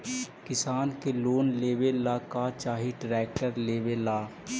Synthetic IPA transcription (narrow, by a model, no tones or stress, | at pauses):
kɪsaːnkeloːnleːʋelaːkat͡ʃaːɦiʈɾɛːk̚ʈəɾleːʋelaː